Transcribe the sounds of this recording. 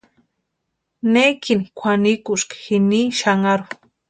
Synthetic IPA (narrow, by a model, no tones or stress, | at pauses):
nekinikʷʰanikuʃkḁxiniːʃaŋaɾu